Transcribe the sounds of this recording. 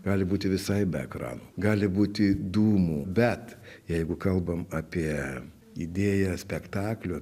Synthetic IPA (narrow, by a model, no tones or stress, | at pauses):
ɡɑːlʲɪbuːt̪ʲɪʋʲɪsɐɪbʲɛɛ̰kɾɑ̰ːnuːɡɑːlʲɪbuːt̪ʲɪd̪uːmuːbʲɛt̪jɛɪɡʊkɐlˠbɐmɑːpʲiɛ | ḭd̪ʲeːjɛsʲpʲɛkt̪ɑːklʲʊ